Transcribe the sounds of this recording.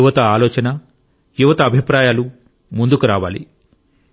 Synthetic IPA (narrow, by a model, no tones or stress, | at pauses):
uʋɐt̪ɐaːlɔːt͡ʃɐnɐ | juʋɐt̪ɐːbʱipɾaːjaːlu | mund̪ukuɾaːʋaːlḭ